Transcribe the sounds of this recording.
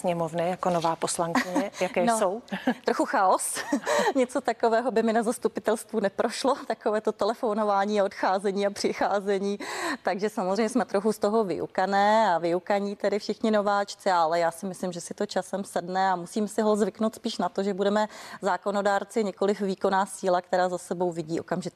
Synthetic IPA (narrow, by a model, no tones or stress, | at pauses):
sɲɛmovnɪjakonovaːposlaŋkɪɲɛjakɛːnowt̪ɾoxuxaosɲɛt͡sot̪akovɛːɦobɪmɪnazast̪upɪt̪ɛlst̪vunɛpɾʔoʃlo̞t̪akovɛːt̪o̞t̪ɛlɛfono̞vaːɲiːaot̪xaːzɛɲiːapr̝̥ɪxaːzɛɲiːt̪aɡʒɛsamozr̝ɛjɲɛsmɛt̪ɾoxust̪o̞ɦo̞vɪ̰ʔṵkanɛːavɪukaɲiːt̪ɛdɪfʃɪxɲɪno̞vaːt͡ʃt͡sɪalɛjaːsɪmɪslɪmʒɛsɪt̪o̞t͡ʃasɛmsɛdnɛamusiːmɛsɪɦozvɪknowt̪spiːʃnat̪o̞ʒɛbudɛmɛzaːko̞no̞daːɾt͡sɪɲɛko̞lɪfviːko̞naːsiːlakt̪ɛɾaːzasɛbo̞wvɪɟiːo̞̰kamʒɪt̪